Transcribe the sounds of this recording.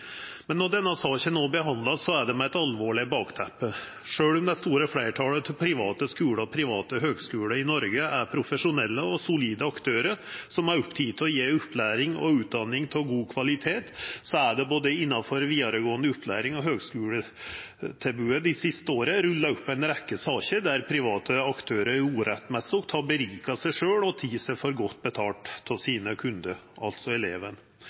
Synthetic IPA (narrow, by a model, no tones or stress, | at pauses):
mɛnːɔɖ̪ɛnːɑsɑːçənoːbəɦɑnd̪lɑsɔæɖɛmɛɛt̪ɑlʋoːɭɪbɑːkt̪ʰæpːə | ʂøːɽʊmd̪ɛst̪uːɾəflæɪʈʰɑːlət̪ʰɪlpʰɾɪʋɑːt̪əskʉːɽəɔpʰɾɪʋɑːt̪əɦøːɡskʉːɽəɪnɔɾɡəæɾpʰɾʊfəʂʊnɛlːəɔsʊliːd̪əɑkt̪ʰøːɾəsɔmæɾɔpːt̪ʰiːt̪ʰɪlɔjeːʉpːlæːɾɪŋɔ̰ʉːt̪̚d̪ɑnːɪŋt̪ʰɪlɡuːkʰʋɑlɪt̪ʰeːt̪sɔæɖɛboːd̪əɪnːɑfɔɾʋiːd̪ɑɾəɡoːənd̪əʊpːlæ̰ːɾɪŋɔɦøːɡskʉːlə | t̪ʰɛbʉəd̪ɪsɪst̪əoːɾəɾʉlːɑʉpːæɪnɾɛkːəsɑːɕəd̪æɾpʰɾɪʋɑːt̪ʰəɑkt̪ʰøːɾəuːɾɛt̪ːmɛsɔkt̪ʰɑbəɾiːkɑsæɪʂøːɽɔt̪ʰiːsɛfɔɾɡɔt̪ːbət̪ʰɑːʈt̪ʰːɪlsiːnəkʰʉnd̪əɾʔɑ̰lt̪sɔɛleːʋən